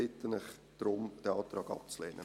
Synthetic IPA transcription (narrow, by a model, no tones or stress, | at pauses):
ɪtːənɪχd̪̥ɾʊmd̥ɛɑːt̪ɾɑːɡɑ̰p̚t͡slɛ̰ːnʔə̰